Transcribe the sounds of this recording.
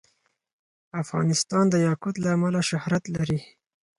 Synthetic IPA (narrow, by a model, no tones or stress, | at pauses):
afɣɑ̰nɪst̪ɑnd̪əjɑkʊt̪laːmalaʃʊhɾat̪laɾi